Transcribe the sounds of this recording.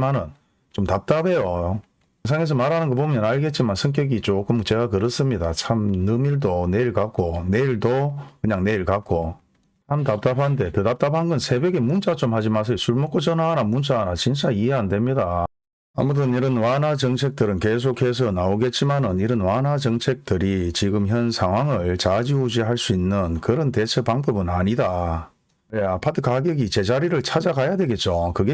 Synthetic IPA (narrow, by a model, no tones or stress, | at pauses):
manɯn | t͡ɕomtap̚t͈abe̞jo | sʰaŋe̞s̬ʌmaɾɦanɯnɡʌpomjʌnaɭɡe̞t̚t͡ɕ͈imansʰɯŋk̬͈jʌɡit͡ɕ͈okɯmt͡ɕe̞ɡakɯɾʌs͈ɯmɲidat͡ɕʰamnɯmiɭdone̞iɭkak͈one̞iɭdokɯɲaŋne̞iɭkak͈o | t͡ɕʰamtap̚t͈apʰande̞tedap̚t͈apʰanɡʌnsʰe̞beɡe̞munt͡ɕ͈at͡ɕomhad͡ʑimas̬ʰʌjosʰuɭmok͈ot͡ɕʌnanamunt͡ɕ͈ʰanat͡ɕinɕʰaiɦe̞ɦandwe̞mɲida | a̰mut̬ʰɯniɾɯnwanɦad͡ʑʌŋt͡ɕʰe̞k̚t͈ɯɾɯnke̞s̬ʰokʰhe̞s̬ʰʌnaoɡe̞t̚t͡ɕ͈imanɯniɾɯnwanɦad͡ʑʌŋt͡ɕʰe̞k̚t͈ɯɾit͡ɕiɡɯmçjʌnsʰaŋɦwaŋɯɭt͡ɕad͡ʑiud͡ʑiɦaɭs͈uinːɯnkɯɾʌnte̞t͡ɕʰepaŋbɯbɯnaɲida | neapʰatʰɯkaɡjeɡit͡ɕe̞d͡ʑaɾiɾɯɭt͡ɕʰad͡ʑaɡajadwe̞ɡe̞t̚t͡ɕ͈okɯɡe